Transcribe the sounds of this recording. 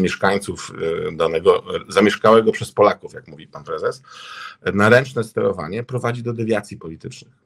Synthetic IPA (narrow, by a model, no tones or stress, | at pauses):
mʲjɛʂkaɲt̪sufd̪anɛɡɔzamʲjɛʂkawɛɡɔpʂɛspɔlakufjakmuvʲipanpɾɛzɛs | naɾɛnt͡ʂnɛst̪ɛɾɔva̰ɲɛpɾɔvad͡ʑid̪ɔd̪ɛvʲjat̪sʲjipɔlʲit̪ɘt͡ʂnɘx